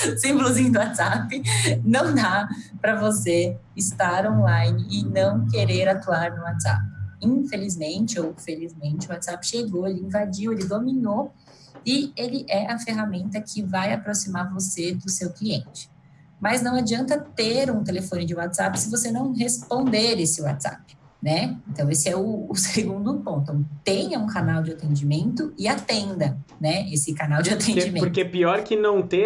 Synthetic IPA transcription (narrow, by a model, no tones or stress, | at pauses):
sĩmbʊlʊzĩɲʊd̪ʊat̪zapɪnɐ̃w̃d̪apɾɐvose | ɪst̪aɾõlajnɪɪnɐ̃w̃keɾeɾat̪uaɾnʊwat̪z̥a̰pɪĩfelizmẽt͡ʃɪowfelizmẽnt͡ʃɪuwat̪z̥apɪʃeɡowelɪĩvad͡ʒiwelɪd̪ominow | ɪelɪʔɛʔɐfeɦamẽnt̪ɐkʰɪvajapɾosimaɾvosed̪ʊsewkliẽnt͡ʃɪ̥ | mɐznɐ̃w̃ad͡ʒiɐ̃nt̪ɐt̪eɾũt̪elefõnɪd͡ʒɪwat̪z̥apɪ̥sɪvosenɐ̃w̃ɦespõnd̪eɾesɪwa̰t̪z̥a̰pɪ̥ | nɛẽnt̪ɐ̃w̃esɪɛʊːseɡũd̪ʊpõnt̪õt̪ẽɲɐũkanawd͡ʒɪat̪ẽnd͡ʒimẽnt̪ʊɪat̪ẽnd̪ɐnɛesɪkanawd͡ʒɪat̪ẽnd͡ʒimẽpoɾkepiɔɾkɪnɐ̃w̃t̪ẽ